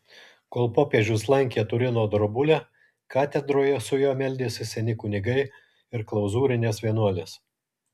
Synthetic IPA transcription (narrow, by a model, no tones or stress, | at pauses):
koːlˠpoːpʲiɛʒʲʊslˠɐŋʲkʲeːt̪ʊɾʲɪnoːd̪ɾɔbʊlʲɛ | kɑːt̪ʲɛd̪ɾoːjɛsʊjoːmʲɛlʲd̪ʲeːsʲɪsʲɛnʲɪkʊnʲɪɡɐɪ | ɪɾklˠɐʊzuːɾʲɪnʲeːsʋʲiɛnuɔlʲeːs